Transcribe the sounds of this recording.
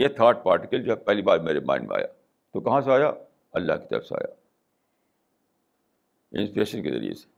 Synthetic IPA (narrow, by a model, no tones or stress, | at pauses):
jet̪ʰaːɾʈ̚paːɾʈɪkəld͡ʒoːɦɛpɛɦlibaːd̪meːɾemã̰ːɪ̃ɳɖmḛ̃a̰ːjaː | t̪okɐɦãseaːja | ɐlːa̰ːki̥t̪ɐɾə̰fsea̰ːja̰ː | ɪ̰̃nspiɾeːʃənkḛzɐ̰ɾḭḛse̥